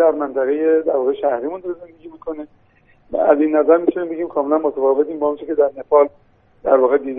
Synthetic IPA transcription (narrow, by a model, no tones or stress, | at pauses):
æɾmænt̪ʰæɣe̞jed̪æɾvɒːɣeʃæhɾiːmund̪oɾeze̞nd̪e̞ɡʲiːmikʰonḛ | æ̰ziːnːæzæɾmit̪ʰuniːmbe̞ɟiːmkʰɒːme̞lænmot̪ʰæfɒːve̞t̪ʰiːmbɒont͡ʃʰecʰe̞d̪æɾnefɒːl | d̪̥æɾvɒːɣed̪iːd̪